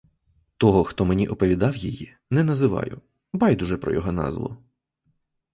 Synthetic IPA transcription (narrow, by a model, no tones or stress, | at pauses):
t̪ɔɦɔxt̪ɔmenʲiʔɔpɔʋʲid̪ɑwjiji | nɛnɐzɪʋɑ̰jʊ | bɑjd̪ʊʒɛpɾɔ̰jɔɦɔnɑ̰zʋˠʊ̰